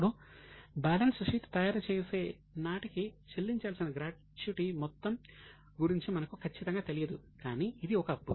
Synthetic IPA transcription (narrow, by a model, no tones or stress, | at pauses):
ɽubaːlɐnsʂiːʈt̪ɐjaːɾɐt͡ʃe̞ːse̞ː | naːʈikit͡ʃelːiɲt͡ʃaːlsinɐɡɾaːʈ | t͡ʃuʈimɔt̪ːɐm | ɡuɾiɲt͡ʃimɐnɐkukʰɐt͡ʃːit̪ɐŋɡaːt̪elijɐd̪ukaːniːd̪iɔkɐpːu